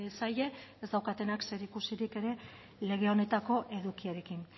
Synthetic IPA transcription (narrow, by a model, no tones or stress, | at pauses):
esaje̞ezd̪awkat̪e̞nakse̞ɾikusiɾike̞ɾe̞ | le̞ɣ̞e̞o̞ne̞t̪ako̞ʔe̞ðukiaɾe̞kin